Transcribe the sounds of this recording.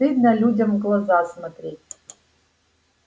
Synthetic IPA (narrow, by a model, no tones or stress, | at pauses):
ɨd̪nɐlʲudʲɐmɡlˠɐzasmɐt̪ɾʲetʲ